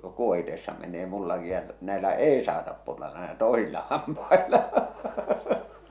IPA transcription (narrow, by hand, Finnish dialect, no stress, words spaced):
kuohitesːɑ menˑeː mulːɑki jɑ næelæ eˑi sɑːtɑp purːɑ næelæ toˑesilːɑ hɑmpɑelɑ